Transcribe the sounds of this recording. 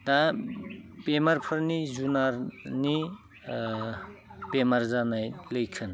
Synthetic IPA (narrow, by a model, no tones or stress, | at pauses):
t̪a | pemɐɾpʰɯɾnizunaɾni | pemaɾzanajləjkʰɯn